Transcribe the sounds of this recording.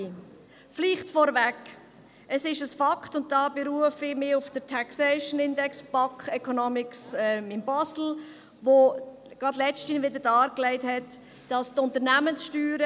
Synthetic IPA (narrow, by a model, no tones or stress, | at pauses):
fliχtfɔɾvæk | əsɪʃəsfɑkʰtʊnt̚d̥ɑːbɪɾuəfɪmɪʊfd̥ətʰæksɛɪʃənɪndɛksb̥ɑkɛkʰɔnɔmɪksɛmɪmbɑsl̩ | ʋo | ɡ̥ʁɑdlɛt͡ʃtinʋɪd̪əɾd̥ɑːɾklɛɪtɦɛt | d̥ɑstʊntəɾnæmənsʃtyːɾə